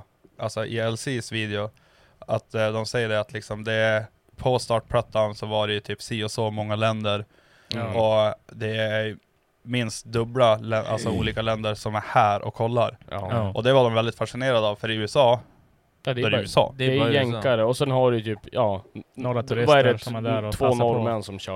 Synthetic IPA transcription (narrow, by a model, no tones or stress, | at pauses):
ʔalsɔʔɪɛlsiːsviːd̪ɪʊ | at̪d̪ɔmsɛjːəɖɛat̪lɪksɔmd̪ɛæ | pʰɔst̪ɑːʈ̚pʰlat̪ʰːansɔvaɖɛjɵt̪ʰyːpsiːɔsɔmɔŋːalɛnd̪əɾ | ʔɔd̪ɛæ | mɪnst̪d̪ɵblalɛʔa̰lsɔuːliːkalɛnd̪əɾʂɔmæɾhæːɾʔɔ̰kʰːɔlːaɾʔɔd̪ɛvaɖɔmvɛld̪ɪt̪faʂɪneːɾad̪əːvfœɾɪʉ̟ːɛsɑː | ɾɪʉːɛsɑ̰ːɛɛŋaɾəɔsɛnɦaɖɵt̪ʰyːpjɑː | vaæɖɛt̪ʰvoːnɔɾmɛnːsɔmɕ